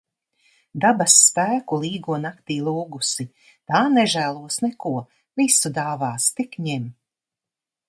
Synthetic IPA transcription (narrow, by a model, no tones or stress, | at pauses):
d̪abasːpæːkulˠiːɡuɔnakt̪iːlˠuːɡusi | t̪aːnɛʒæːlˠuɔsnɛkuɔ | visud̪aːvaːst̪ikɲɛm